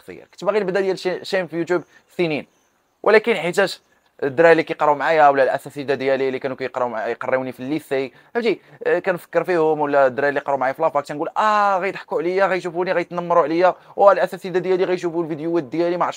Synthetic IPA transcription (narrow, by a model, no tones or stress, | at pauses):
sə̰jɑ̰ɾkæ̥t̪bæɣinəbd̪æd̪jælʃæmfijut̪jub | sinin | wʔə̰lækənħit̪̬æʃ | d̪ːɾælːikæjqɑɾˤumʕajawlːælʔæ̰sæsid̪æd̪jælilːikænukæjqɾˤuʕjqɑrˤːiunifilːisij | hæbd̪ikænfə̥kːəɾfihʊmwəlːæd̪ɾæjlːiqɑɾˤumʕajæflɑfɑk̚t̪ænɡulʔæɣæjt̪ˤħkuʕləjːaɣæjʃ̬ufuniɣæjət̪nɑmːɾˤuʕləjːæwælʔæsæsid̪æd̪jæliɣæjʃ̬ufulvid̪juæd̪jælimaʕʃ